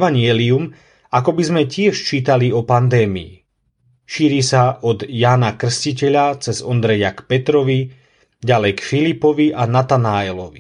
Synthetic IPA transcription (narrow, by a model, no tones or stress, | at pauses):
aɲɪɛlium | akɔbizmɛcɪɛʃt͡ʃiːt̪aliɔpand̪ɛːmḭḭ | ʃiːɾiːsaʔɔd̪jaːnakr̩scicɛʎat͡sɛzɔnd̪ɾɛjakpɛt̪ɾɔʋi | ɟalɛjkfilipɔʋiʔanat̪anaːɛlɔʋi